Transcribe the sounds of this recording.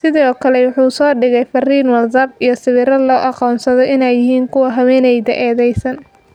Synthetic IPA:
sɪðɔːkʰɐlɛwʊħuːsɔːɖɪɣɛjfɐriːnwɐldɐbijɞsɪβɪɾɐlɔːʔɑqɔːnsɐðɔɪnɛjːɪɦiːŋkʰʊwɐɦɐwɛːnɛjðɐ̰ʔɛːðɛjsɐn

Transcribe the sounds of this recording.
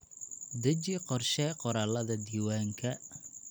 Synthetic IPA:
d̪ɐt͡ʃɪqɔrʃɛːqɔɾaːlɐðɐd̪iːwaːŋkʰɐ

